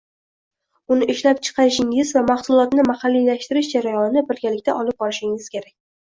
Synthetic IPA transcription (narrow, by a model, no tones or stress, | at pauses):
ʊnɪʔɪʃlapt͡ʃʰɨ̥qʰɑɾɪʃɪŋɪzvamaχsʊlˠɒt̪nɪmahɑlːijlaʃt̪ɪɾɪʃd͡ʒaɾajɒnɪnɪbɪɾɡʲalɪkʲt̪ʰaʔɒlˠɪp̚bɒɾɪʃɪŋɪz̥kʲe̞ɾakʲ